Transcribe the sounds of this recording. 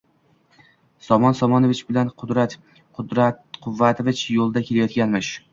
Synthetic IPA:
sɒmɒnsɒmɒnovɪt͡ʃbɪlanqʰʊd̪ɾat̪ | qʊd̪ɾaqʰʊvːat̪ʰovɪt͡ʃjolˠd̪akʲelajɒt̪̚ɡʲanmɪʃ

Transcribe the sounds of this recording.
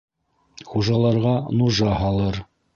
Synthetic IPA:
χuʒɑlˠɑɾʁɑnuʒɑhɑlˠɤɾ

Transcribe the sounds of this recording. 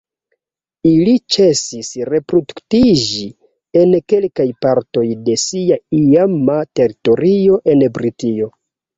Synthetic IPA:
ilit͡ʃe̞sisɾe̞pɾoduktid͡ʒi | e̞nke̞lkajpaɾto̞jde̞siaiamate̞ɾito̞ɾio̞ʔe̞nbɾitio̞

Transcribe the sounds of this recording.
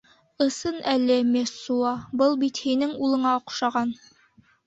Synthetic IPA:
ɤ̆sɤnælɘmʲesuɑbɤlˠbit̪hinɘŋulˠɤ̆ɴɑqu̥ʃɑʁɑn

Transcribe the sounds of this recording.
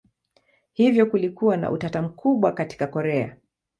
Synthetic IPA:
hivjɔkulikuwana̰ʔṵtatam̩kʰuɓwakati̥kakɔɾɛa̰

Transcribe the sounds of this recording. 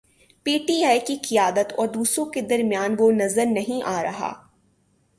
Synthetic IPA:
piːʈiːaːjkiqɪjaːd̪ət̪ɔ̰ːɾd̪uːsɾõked̪ɐɾmjaːnʋonɐzəɾnɐɦĩʔaːɾɐɦa̰ː

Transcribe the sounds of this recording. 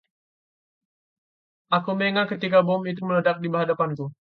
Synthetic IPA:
ʔakumeŋakət̪ikabɔmit̪̬umələdak̚dibəɦadapanku

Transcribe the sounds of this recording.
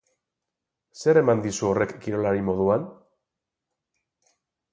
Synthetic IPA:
se̞ɾe̞mand̪isuo̞re̞kːiɾo̞laɾimo̞ðuan

